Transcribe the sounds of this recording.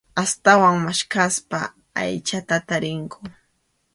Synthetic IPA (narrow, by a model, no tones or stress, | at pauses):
ast̪awaŋmaʃkaspa̰ | a̰jt͡ʃat̪at̪aɾɪŋkʊ